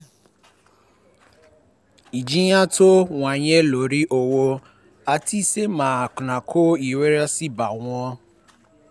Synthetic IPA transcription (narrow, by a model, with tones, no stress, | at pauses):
i˨d͡ʒi˦ja˦to˦wʷa˨ɲe˦lo˨ɾi˦ʔo˨wo˧ | a˨ti˦se˦mãː˨knã˨kʰo˦i˨we˦ɾa˦si˦ba̰˨ŋɔ̃˦